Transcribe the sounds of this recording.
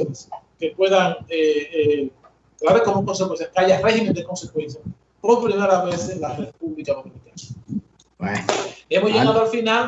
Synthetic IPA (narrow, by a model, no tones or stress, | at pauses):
ske̞pwe̞ðaŋee | kɾaβekomoŋko̞nsekwensθjahkeaʝare̞himend̪eko̞nsekwe̞nθja | poɾpɾimeɾaβeθelareðpuβlikalomunit̪aɾḁ | ee̞mozʝeɣaðoalfinal